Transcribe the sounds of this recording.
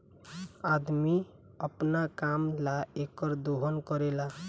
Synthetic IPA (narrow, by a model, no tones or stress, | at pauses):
ad̪mi | əpnakamlaekʌɾd̪oɦənkʌɾela